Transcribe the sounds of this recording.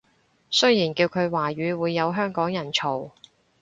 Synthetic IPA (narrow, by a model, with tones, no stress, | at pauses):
sɵ˥ɥjiː˨˩nkiː˧wkʰɵ˨˧ɥwaː˨˩ɥyː˨˧wuː˨˧jːɐ˨˧wɦœː˥ŋkɔː˨˥ŋjɐ˨˩nt͡sʰo˨˩w